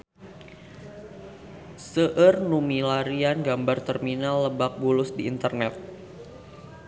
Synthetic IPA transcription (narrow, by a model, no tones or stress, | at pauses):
səʔərnumilaɾianɡambart̪ərminalːəbak̚bulʊsdiːnt̪ərnɛt̪̚